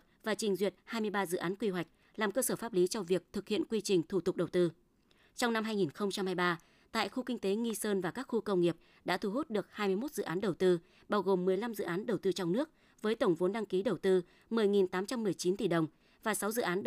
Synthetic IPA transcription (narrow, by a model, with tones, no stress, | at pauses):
vaː˨˩t͡ɕï˨˩ŋ̟zwi˨˩ət̚haː˧jmɨ˧əjɓaː˧zɨ̰˧˨ʔaː˨˦nkwi˧ɦwa˨˩jk̟̚ | laː˨˩mkəː˧səː˧˩faː˦˥p̚li˨˦t͡ɕɔ˧vi˨˩ək̚t̪ʰɨ˨˩k̚hḭ˧˨ənkwi˧t͡ɕï˨˩ŋ̟t̪ʰu˧˩t̪ʊ˨˩k͡p̚ɗə˨˩wt̪ɨ˧ | t͡ɕɔ˧wŋ͡mna˧mɦaː˧jŋi˨˩nxə˧wŋ͡mt͡ɕa˧mhaː˧jɓaː˧ | t̪a̰ː˧˨jxu˧kï˧ŋ̟t̪e˨˦ŋi˧səː˧nvaː˨˩kaː˦˥k̚xu˧kə˧wŋ͡mŋi˨˩əp̚ | ɗa̰ː˧˥t̪ʰu˧˩ɦu˦˥t̚ɗɨ˨˩ək̚haː˧jmɨ˧əjmo˦˥t̚zɨ̰˧˨ʔaː˨˦nɗə˨˩wt̪ɨ˧ | ɓaː˧wɣo˨˩mːɨ˨˩əjla˧mzɨ̰˧˨ʔaː˨˦nɗə˨˩wt̪ɨ˧t͡ɕɔ˧wŋ͡mnɨ˦˥ək̚ | vəː˨˦jt̪ə˧˩wŋ͡mvo˨˦nɗa˧ŋki˨˦ɗə˨˩wt̪ɨ˧ | mɨ˨˩əjŋi˨˩nt̪aː˨˦mt͡ɕa˧mːɨ˨˩əjt͡ɕi˨˦nt̪i˧˨˩ɗə˨˩wŋ͡m | vaː˨˩sa˨˦wzɨ̰˧˨ʔaː˨˦n